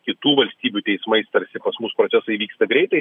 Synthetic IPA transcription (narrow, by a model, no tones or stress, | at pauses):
kʲɪt̪uːʋɐlʲsʲt̪ʲiːbʲut̪ʲɛɪsmɐɪst̪ɐɾʲsʲɪpɐsmʊspɾot͡sʲæsɐɪʋʲiːkst̪ɐɡɾʲɛɪt̪ɐɪ